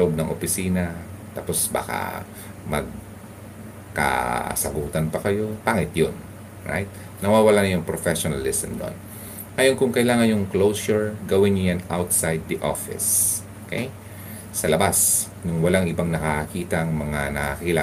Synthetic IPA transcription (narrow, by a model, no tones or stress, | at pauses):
ʔob̚nɐŋʔopɪsiːnɐt̪aːpo̞sba̰ːka̰ | mɐ̰ɡ̚ | ka̰sɐɡuːt̪ɐnpɐkɐjo̞paːŋɪt̪jon | ɹa̰jt̪̚ | nɐwaːwɐlanɐjʊŋpɾofɛʃonɐlɪsɛmno̰n | ʔaːjonkʊŋkɐʔɪlaːŋɐnjʊŋklowsʊɹɡɐwɪnːʊjanawt̪sajd̪̚ːɐʔo̰fɪ̰sokejː | ɐlɐbas | nʊŋwɐlaŋʔɪbaŋnɐkɐɐkiːt̪ɐʔŋmɐŋanɐakkɪla